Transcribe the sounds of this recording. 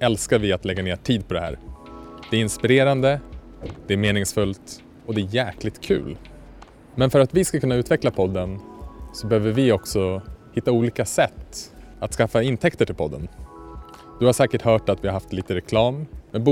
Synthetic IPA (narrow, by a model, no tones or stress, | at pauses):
ɛlskaɾvɪat̪lɛɡːaneːʈʰiːd̪̚pʰɔd̪ɛhæ̰ːɾd̪̥ɛæɪnspɪɾeːɾand̪ə | d̪̥ɛæɾmeːnɪŋsfɵlt̪ | ɔd̪ɛːjæːklɪt̪kʰʉ̟̰ːl | mɛnfœɾat̪vɪskakʰɵnːaʉ̟ːt̪vɛklapʰɔd̪ːənsɔbɛhøːvəɾvɪɔksɔhɪt̪ːauːliːkasɛt̪ː | at̪skafːaɪnt̪ʰɛkt̪əʈʰɪlpʰɔd̪ːə̰n | d̪̥ɵhaʂɛːkəʈhœːʈat̪vɪhaɾɦaft̪liːt̪əɾɛkʰlɑːmːɛbu